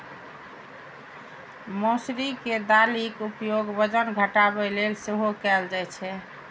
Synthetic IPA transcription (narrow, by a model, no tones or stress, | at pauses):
mosɾiked̪alikupjoɡbəd͡ʒənɡʱəʈabɛlelseɦokɛld͡ʒajt͡ʃʰɛ